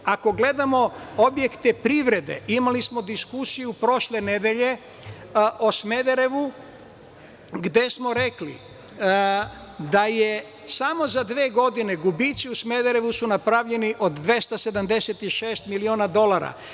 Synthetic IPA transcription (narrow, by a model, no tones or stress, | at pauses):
ako̞ɡle̞d̪amo̞obje̞kt̪epɾiʋɾe̞d̪e̞̰imalismo̞d̪iskusijupɾo̞ʃlene̞d̪e̞ʎe̞ | ʔosme̞d̪eɾe̞ʋu | ɡd̪e̞smo̞ɾe̞klḭ | d̪aje | samo̞zad̪ʋeːɡo̞d̪ine̞ɡubit̪siusme̞d̪eɾe̞ʋusunapɾaʋʎe̞niʔo̞d̪ːʋe̞st̪ase̞d̪amd̪eset̪iʃe̞ːst̪milioːnad̪o̞laɾa̰